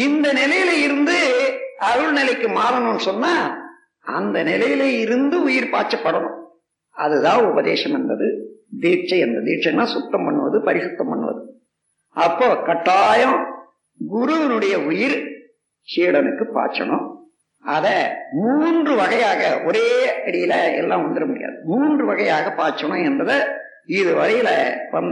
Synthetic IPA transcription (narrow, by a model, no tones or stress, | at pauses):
ɪnd̪ɐnɪlɐjɪlɐɪɾɯnd̪ɯɐʋɐɭnɪlɐɪkːɯmaːɾɐɳʊ̃nːɯsɔnːaː | ɐ̰nd̪ɐnɪlɐjɪlɐɪɾɯnd̪ɯʊjɪɾpaːt͡ʃːɐpːɐɽɐɳʊ̃ | ɐ̰ðɯðãːʊbɐðḛːʂɐmɐnd̪ɐ̰ðɯd̪iːt͡ʃːɐɛnd̪ɐd̪iːʈ̚t͡ʃːɐnːaːsʊt̪ːɐmpɐɳːɯʋɐðɯpɐɾɪsʊt̪ːɐmpɐ̰ɳːɯʋɐ̰ðɯ | ɐpːoːkɐʈːaːjɐ̃ | ɡʊɾʊʋɐnɯɽɐjɐʊjɪɾ | t͡ʃiːɽɐnɯkːɯpa̰ːɾt͡ʃːɐ̰ɳʊ̰̃ | ɐðɐmuːndrɯʋɐɣɐjaːɣɐ̰ʔɔɾeːɐɽɪjɪlɐɛ̰lːãːʋɐnd̪ɯɾɐmʊɽɪja̰ːðɯmuːndrɯʋɐɣɐjaːɣɐpaːɾt͡ʃːɐɳʊ̃ɛnbɐðɐ | ɪðɯʋɐɣɐjɪlɐ̰pɐn